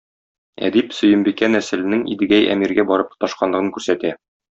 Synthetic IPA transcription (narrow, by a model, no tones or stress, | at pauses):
æ̰d̪ipsɵ̆jɘ̆mbikænæsɘ̆lɘ̆nɘŋḭd̪ɘ̆ɡæjæ̰miɾɡæbɒɾɤp̚t̪ɒʃqɑnlˠɤ̆ʁɤŋkʉɾsæt̪æ